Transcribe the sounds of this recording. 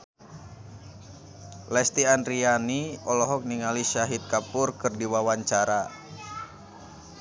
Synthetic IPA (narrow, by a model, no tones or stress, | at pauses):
lɛst̪iandɾianiɔlɔɦɔk̚niŋaliʃaɦit̪̚kapʊrkɨrdiwawaɲt͡ʃaɾa